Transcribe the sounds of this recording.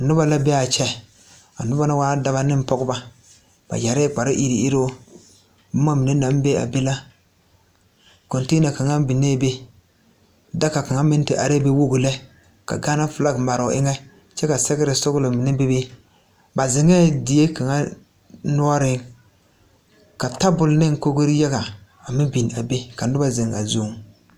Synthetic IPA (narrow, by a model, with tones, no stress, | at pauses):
a˨nʊ˦ba˦la˦bɛ˦a˨t͡ʃɛ˦ | a̰˨nʊ˦ba˦na˦waː˦da˦ba˦nɪ˦m˦pɔ˦ɡʊ˦ba˦ | b̥a̰˨ja˨ɾɛ˦˨k͡pa˨ɾɪ˦ʔi˦ɾi˨i˦ɾo˦ | bʊ˦ma˦mɪ˨ne˦na˨˦m˦be˦a̰˨be˦la˦ | ko˨nteː˦na˨ka˨ŋa˦bi˨ne˦be˦ | da˦ka˨ka˨ŋa˦mɪ˦n˦tɪ˦ʔa˨ɾe˦be˦wo˦ɡʊ˨lɛ˦ | ka̰˨ɡaː˦na˦fɪ˨la˦ɡma˨ɾɔ̰˨ʔɪ˦ŋɛ˦ | t͡ʃɛ˦ka˨sɛ˦ɡɪ˦ɾɪ˨sʊ˦ɡlɪ˨mɪ˨nɛ˦be˦be˦ | ba˨zɪ˨ŋɛ˦dɪ˨je˦ka˨ŋa˦ | nʊ˦ɔ˦ɾɪ˦ŋ | ka˨ta˦bʊ˨lnɪ˦ŋ˦ko˦ɡo˦ɾja˦ɣa˨ | a˨mɪ˦bi˨n˨a˨be˦ka˨n˦dʊ˦ba˦zɪ˨ŋa̰˨zu˦ŋ